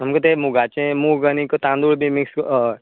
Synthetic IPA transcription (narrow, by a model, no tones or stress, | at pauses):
ɦɐmkot̪emuɡaːt͡ʃẽmuɡənikot̪ãːnd̪uːɽbʱimɪks